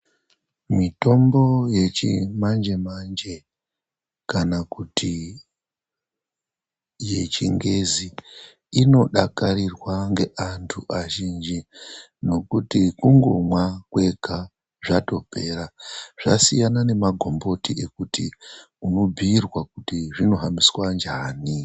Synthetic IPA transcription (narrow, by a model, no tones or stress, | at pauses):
mito̞mbo̞je̞t͡ʃimand͡ʒe̞mand͡ʒe̞ | kanakutʰi | je̞t͡ʃiŋɡe̞zi | ino̞ɗakaɾirwaŋɡe̞ʔantʰuʔaʒind͡ʒi | no̞kutikuŋɡo̞mwakwe̞kʰa | ʐato̞pe̞ːraʐ̥a̰sijanane̞maɡʱo̞mbo̞tiʔe̞kuti | uno̞b͡vʱiːrwakutiʐino̞ɦamiswand͡ʒaːni